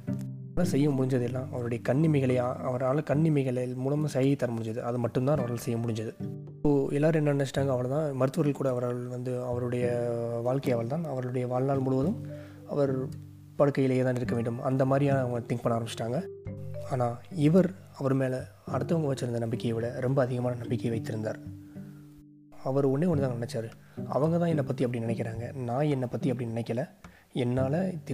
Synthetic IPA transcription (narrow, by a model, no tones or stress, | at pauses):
lɐsɛjːɐmʊɽɪɲd͡ʒɐðɯɛlːãːʔɐ̰ʋɐɾɯɽɐjɐkɐɳːɪmɐɪɣɐɭɐɪaːɐʋɐɾaːɭɐkɐɳːɪmɐɪɣɐɭɐlmuːlɐmɐsɐjɐɪt̪ːɐɾɐmʊɽɪɲd͡ʒɐðɯʔɐðɯmɐʈːɯmt̪ãːnɐʋɐɾaːlɐsɛjːɐmʊɽɪɲd͡ʒɐðɯ | oɛlːaːɾɯɛnːɐnɪnɐt͡ʃːɪʈːaːŋɡɐːʋɐɭt̪ãːmɐɾɯt̪ːɯʋɐɾɣɐɭkuːɽɐːʋɐɾɐɭʋɐnd̪ɯɐʋɐɾɯɽɐjɐʋaːɭkɐɪɐʋɐɭt̪ãːɐʋɐɾɣɐɭɯɽɐjɐʋaːɭnaːɭmʊɽɯʋɐðɯm | ɐ̰ʋɐɾ | pɐɽɯkːɐjɪleːt̪ãːnɪɾɯkːɐʋeːɳɖɯmɐ̰nd̪ɐmaːd̪ɾijaːnɐɐʋɐŋɡɐt̪ɪŋk̚pɐɳːaːɾɐmbɪt͡ʃɪʈːaːŋɡɐaːnaːɪʋɐɾ | ɐʋɐɾɯmeːlɐ | ɐɽɯt̪ːɐʋɐŋɡɐʋɐt͡ʃːɯɾɯnd̪ɐnɐmbɪkːɐjɪʋɐɭɐɾɛmbɐːðɪɣɐmaːnɐnɐmbɪkːɐjʋɐɪt̪ːɪɾɯnd̪a̰ːɾ | ɐʋɐɾɔɳːeːɔnːɯt̪aːŋɐnɪnɛt͡ʃːaːɾɯ | ɐ̰ʋɐŋɡɐt̪ãːɛnːɐpɐt̪ːiɐpːɐɽinɪnɛkːɪɾaːŋɡɐnãːɛnːɐpɐt̪ːiɐpːɐɽinɪnɛkːɐlɐ̃ | ɛnːaːlɐt̪ɪ